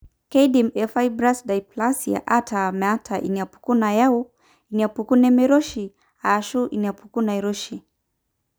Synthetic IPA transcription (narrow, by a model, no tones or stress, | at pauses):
kɛidimɛfaibɾasdajplasia̰ʔatʰamɛatʰaʔḭniapu̥kunajau | iniapukunɛmɛɾɔʃi | aːʃuʔiniapukunaiɾuʃi